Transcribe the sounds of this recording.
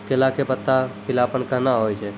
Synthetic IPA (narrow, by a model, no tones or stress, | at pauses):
kelakepət̪ːapɪlapənkəɦnaɦojt͡ʃʰe